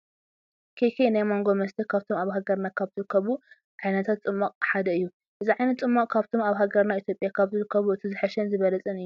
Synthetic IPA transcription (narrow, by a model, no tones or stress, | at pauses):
kʰekʰenajmo̞ŋɡo̞mɐst̪ʰɐkʰaβt̪ʰo̞maβɦaɡɐɾnakʰaβzɨɾɨkʰːɐβu | ʕajnɐt̪ʰat̪t͡sʼɨmːaqʼħad̪ɐɨjːu | ʔɨziʕajnɐt̪t͡sʼɨmːakʼkʰaβt̪ʰo̞maβɦaɡɐɾnait̪ʰjo̞pʼjakʰaβzɨɾɨkʰːɐβuɨt̪ʰizɨħɐʃɛnzɨβɐlɐt͡sʼɨnɨjːu